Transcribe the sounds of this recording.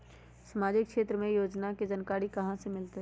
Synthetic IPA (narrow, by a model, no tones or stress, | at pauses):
səmaːd͡ʒɪkʃeːt̪ɾəmẽjoːd͡ʒnaked͡ʒənkaːɾikɐɦãsemɪlt̪eɦ